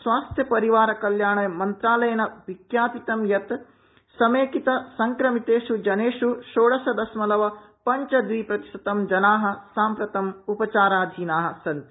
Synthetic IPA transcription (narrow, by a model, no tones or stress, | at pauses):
sʋaːst̪ʰjɐpɐɾiʋaːɾɐkɐljaːɳɐjɐmɐnt̪ɾaːlɐjɐnɐʋikjaːpit̪ɐmjɐt̪ | sɐmeːkit̪ɐsɐŋkɾɐmit̪eːʂud͡ʒɐneːʂuʃoːɽɐsɐd̪ɐsmɐlɐʋɐ | pɐɲt͡ʃɐd̪ʋiːpɾɐt̪i̥ʂɐt̪ɐmd͡ʒɐnaːɦɐ̆saːmpɾɐt̪ɐmupɐt͡ʃaːɾaːd̪ʱiːnaːɦɐ̆sɐnt̪